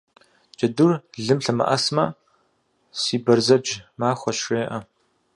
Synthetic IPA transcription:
d͡ʒɐdurɮɨmɬɐmɐ̰ʔɐ̰smɐ | siːbɐrzɐd͡ʒmaːχʷɔʃeːʔɐ

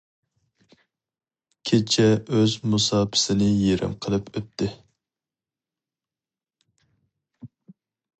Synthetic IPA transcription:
kʲʰet͡ʃʰɛøzmusɑːpʰɪ̥sɪnɪjeɾɪ̰mqʰəlˠɨpʰøp̚t̪ʰɪ

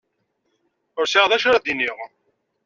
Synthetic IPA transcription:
ʊɾsiʁðæʃʊɾæd̪inːiʁ

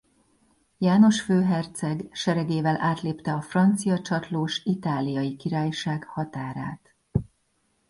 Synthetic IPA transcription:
jaːno̞ʃføːɦɛrt̪sɛɡʃɛɾɛɡeːvɛlʔaːt̪leːpt̪ɛɒfrɒnt̪sijɒt͡ʃɒt̪loːʃit̪aːlijɒjikiɾaːjʃaːɡhɒt̪aːɾa̰ːt̪

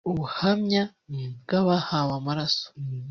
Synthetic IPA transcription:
uβuhamɲa | bɡaβahaβamaɾaso̥

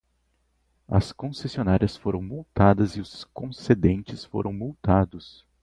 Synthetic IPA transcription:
ɐ̰skõsesionaɾiɐsfoɾɐ̃w̃mowt̪ad̪ɐzɪʊskõsed̪ẽnt͡ʃɪsfo̰ɾʔɐ̃w̃mowt̪ad̪ʊs

